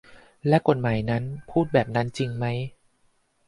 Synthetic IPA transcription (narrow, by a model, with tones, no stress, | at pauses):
lɛ˦˥ko˨˩t̪̚maː˩˦jna˦˥npʰuː˥˩t̪̚bɛː˨˩p̚na˦˥nt͡ɕi˧ŋma˦˥j